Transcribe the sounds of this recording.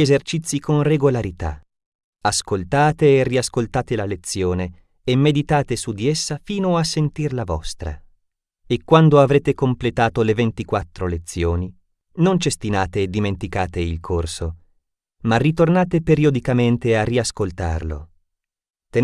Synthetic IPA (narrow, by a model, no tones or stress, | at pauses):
ezert͡ʃit̪sːikonreɡolaɾit̪a̰ | askolt̪aːt̪eːriaskolt̪aːt̪elalet̪sːjoːneː | mːed̪it̪aːt̪esud̪iesːafiːnoasːent̪irlavɔst̪ɾa̰ | ekːwand̪oavɾeːt̪ekomplet̪aːt̪olevent̪ikwat̪ːɾolet̪sːjoːni | nont͡ʃest̪inaːt̪eːd̪ːiment̪ikaːt̪eilkʰorso | marːit̪ornaːt̪epeɾiod̪ikament̪earːiaskolt̪a̰rlo̰ | t̪e